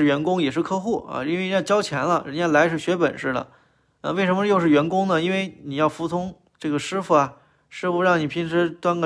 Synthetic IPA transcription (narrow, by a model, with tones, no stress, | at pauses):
ɻ̩˥˩ɥɛ˧˥nkʊ˥ŋjɛ˨˩ʂɻ̩˥˧kʰɤ˥xu˥˩ɐ̰˧i˥nwni˧jt͡ɕjɑ˥ʊt͡ɕʰjɛ˧˥nlə˧ɻə̰˧˥nja˥˩la˧˥ɪʂʰɻ̩˥˩ɕɥɛ˧˥pə̰˨˩nʂɻ̩˥˩də̰˩ | ə̰˧we˥˩ɪʂə˧˥nmə˧jo˥˧ʊʂ̬ɻ̩˥˩ɥɛ˧˥nkʊ˥ŋnə˨i˥nwe˥˩ɪni˨˩jɑ˥˩ʊfu˧˥t͡sʰʊ˥ŋ | ʈ͡ʂɤ˥˩ɡə˩ʂɻ̩˥fu˧˩ɐ˩ | ʂɻ̩˥fu˧ɻɑ˥˩ŋni˨˩pʰi˧˥nʈ͡ʂʰɻ̩˧˥t̪wa˥nk